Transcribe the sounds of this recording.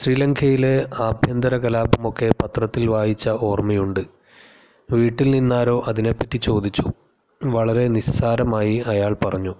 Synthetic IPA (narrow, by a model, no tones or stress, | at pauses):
ɕriːlɐŋkʰɐjile̞aːbʱjɐnd̪ɐɾɐkɐlaːbɐmo̞kːe̞pɐt̪rɐt̪ːilʋaːjit͡ɕːɐʔo̞ːrmɐjuɳɖɨ | ʋiːʈːilninːaːɾo̞ːʔɐðine̞pːɐtːit͡ɕo̞ːd̪it͡ɕːu | ʋɐɭɐɾe̞nissaːɾɐmaːjiɐjaːɭpɐrɐɲːu